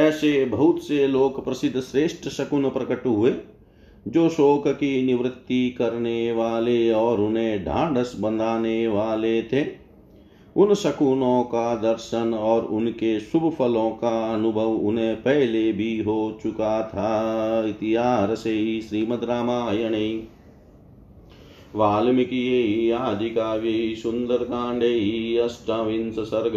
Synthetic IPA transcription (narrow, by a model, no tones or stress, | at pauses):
ɛːsebʱɐɦʊt̪seloːkpɾɐsɪd̪ʱːʃɾeːʃʈəsɐkʊnpɾəkəʈɦʊeː | d͡ʒoːʃoːkkinɪʋɾɪt̪ːikɐɾneʋaːleɔːɾʊnɦẽɖʱã̰ːɖəsbə̃nd̪ʱaːneʋaːlet̪ʰeː | ʊnsɐkunõkad̪əɾʃənɔːɾʊnkesʊbpʰəlõːkaɐnʊbʱəʋʊ̰nɦẽpɛɦlebʱiɦoːt͡ʃʊkat̪ʰaɪt̪iɦaːɾseɦiʃɾiːməd̪ɾaːmaːjəneĩ | ʋaːlmikijeɦiaːd͡ʒikaʋeɦisʊ̃nd̪əɾkãːɳɖʱeːɦiɐsʈaːʋɪ̃nsəsɐɾɡ